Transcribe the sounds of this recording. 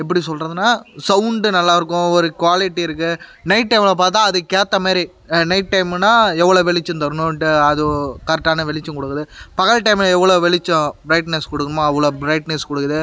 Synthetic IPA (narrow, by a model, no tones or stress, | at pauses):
ɛpːɐɽisɔlɾɐðɯnaːsɐʊɳɖɯnɐlːaːɪɾɯkːʊ̃ɔɾɯkʋaːlɪʈːiɪɾɯkːɯnɐɪʈ̚ʈːɐɪmlɐp̬aːɾt̪ãːɐðɯkeːt̪ːɐmaːɾi | nɐɪʈ̚ʈːɐɪmnaːɛʋːɐɭoːʋɛɭɪt͡ʃːʊ̃nt̪ɐɾɯnʊ̃ʈːɯɐðɯkɐɾʈːaːnɐʋɛɭɪt͡ʃːʊ̃kɔɽɯkːɐðɯpɐɣɐɭʈɐɪmlɐɛʋːɐɭoːʋɛɭɪt͡ʃːʊ̃bɾɐɪʈnɛskɔɽɯkːɐmãɛʋːɐɭoːbɪɾɐɪʈnɛskɔɽɯkːɐðɯ